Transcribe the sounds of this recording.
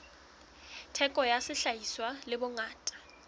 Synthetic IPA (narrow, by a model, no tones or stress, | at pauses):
tʰɛkʼɔjasɪɬajiswalɪbʊŋaːtʼḁ